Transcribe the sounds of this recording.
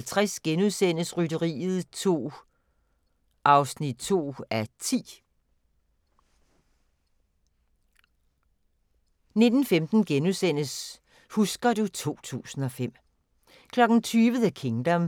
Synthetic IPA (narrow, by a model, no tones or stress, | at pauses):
lt͡sʰʁasɡ̥enuðˠsen̰əsʁyɾəʁḭːð̞̩ˠt͡sʰo̝̰ː | ʔɑ̈ʊsnid̥̚t͡sʰo̝̰ːæt͡sʰḭː | ne̝d̥n̩femd̥n̩ɡ̥enusen̰əs | husɡ̥ɐd̥ut͡sʰo̝̰ːt͡sʰṵːsn̩ɒ̽fem̰ | kʰlɒ̽ɡ̥n̩t͡sʰyːʋəð̩ˠækʰe̝ŋd̥ɒm